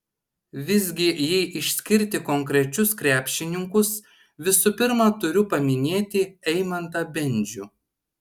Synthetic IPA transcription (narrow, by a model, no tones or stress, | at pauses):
ʋʲɪzʲɡʲɪjɛɪʔɪʃʲsʲkʲɪɾʲt̪ʲɪkɔŋʲkɾʲɛt͡ʃʲʊskɾʲæːpʲʃʲɪnʲɪŋkʊs | ʋʲɪsʊpʲɪɾmɐt̪ʊɾʲʊpɐmʲɪnʲeːt̪ʲɪɛɪmɐnt̪ɐbʲɛnʲd͡ʒʲu